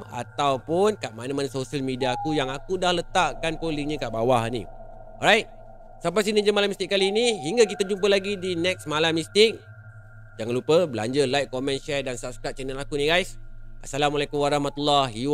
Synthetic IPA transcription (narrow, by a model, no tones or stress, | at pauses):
a̰t̪awpʊnkaʔmanamanasosialmidiakujaŋakudahlət̪aʔkanpoliŋɲikaʔbawahnḭ | ɔ̰ɾajt̪̚ | sampas̬inə̃d͡ʒəmalamist̪ɪk̚alinihiŋɡakit̪ad͡ʒumpəlaɡidinɛk̚smalamːist̪ɪk̚ | d͡ʒaŋanlupəbəla̰ɲd͡ʒəlajk̚komɛ̃nʃɛrdansap̚skɾat̪̚t͡ʃɛnəlakuniɡajsʔasalamalakumwaɾɑhmat̪ulːahiw